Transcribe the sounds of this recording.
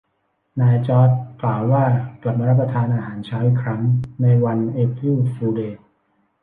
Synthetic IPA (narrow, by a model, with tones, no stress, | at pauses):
naː˧jt͡ɕɔː˦˥˩t̪̚klaː˨˩wːaː˥˩kla˨˩p̚maː˧ɾa˦˥p̬̚ːɾa˧t̪ʰaː˧nʔaː˧ɦaː˩˦nt͡ɕʰaː˦˥wi˨˩kʰɾa˦˥ŋna˧jwa˧nʔeː˦˧˥kjuː˥˩t̪̚fuː˧deː˨˩t̪̚